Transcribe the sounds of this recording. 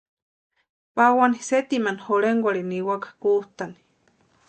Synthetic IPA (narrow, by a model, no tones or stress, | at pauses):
pawaniset̪imanhoɾeŋɡʷaɾiniwakḁkuht̪ani̥